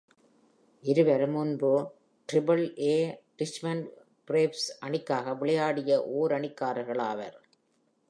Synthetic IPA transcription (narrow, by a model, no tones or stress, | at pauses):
ʔɪɾɯʋɐɾmʊnbɯ | ʈɾɪbɐlʔeːʈɪsmɐn | pɾeːpsʔɐɳɪkːaːɣɐʋɪɭɐjaːɽɪjɐʔoːɾɐɳɪkːaːɾɐɣɐɭaːʋɐ̰ɾ